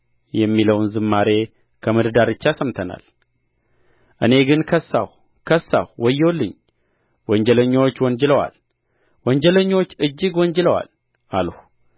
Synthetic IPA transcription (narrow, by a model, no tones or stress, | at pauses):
jɛmːiləwnzɨmːaɾe̞ | kʰəmɨd̪d̪aɾɨt͡ʃːasəmt̪ʰəna̰l | ʔɨne̞ɡɨnkʰəsːaw | kʰəsːa̰wwɔjːolːɨɲː | wɔnd͡ʒɛləɲːo̞t͡ʃːwɔɲd͡ʒɛləwa̰l | wɔnd͡ʒɛləɲːo̞t͡ʃːɨd͡ʒːɪɡwɔnd͡ʒɛləwa̰l | ʔaləh